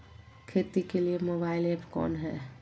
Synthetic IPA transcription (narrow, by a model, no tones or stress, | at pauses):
kʰeːt̪ikeliemoːbaːɪlepkɔ̰ːnɦɛ̰ː